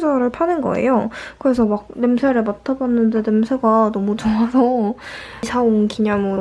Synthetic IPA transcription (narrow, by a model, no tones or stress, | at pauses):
d͡ʑʌɾɯɭpʰanɯnɡʌ̰ḛjokɯɾe̞sʰʌmak̚nɯmsʰe̞ɾɯɭmatʰabanːɯnde̞nɯmsʰeɡanʌmut͡ɕoŋasʰʌ | sʰaonkiɲamɯɾ